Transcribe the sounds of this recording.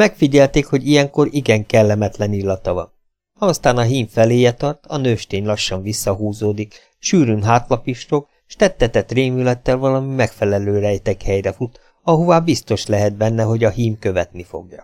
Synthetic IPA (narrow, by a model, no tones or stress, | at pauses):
mɛkfiɟɛlt̪eːkho̞ɟijɛŋko̞ɾiɡɛŋkɛlːɛmɛt̪lɛnilːɒt̪ɒvɒ̰n | ɒst̪aːnɒɦiːɱfɛleːjɛt̪ɒrt̪ɒnøːʃt̪eːɲlɒʃːɒɱvisːɒɦuːzoːd̪ik | ʃyːɾynɦaːt̪lɒpiʃt̪ok | ʃt̪ɛt̪ːɛt̪ɛt̪reːmylɛt̪ːɛlvɒlɒmimɛkfɛlɛløːɾɛjt̪ɛkhɛjrɛfut̪ | ɒɦovaːbist̪o̞ʃlɛɦɛd̪̚bɛnːɛɦo̞ɟɒɦiːmkø̞vɛt̪nifo̰ɡjɒ̰